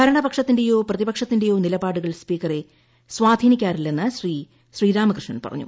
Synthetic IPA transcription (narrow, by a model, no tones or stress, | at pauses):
kɐɾɐɳɐbɐkʂɐt̪ːinde̞jo̞ːprɐðibɐkʂɐt̪ːinde̞jo̞ːnilɐbaːɽuɣɐɭspiːkɐre | sʋaːd̪ʱiːnikʲːaːrilːenːɨɕriː | ɕriːɾaːmɐkrɨʂɳɐnpɐrɐ̰ɲːṵ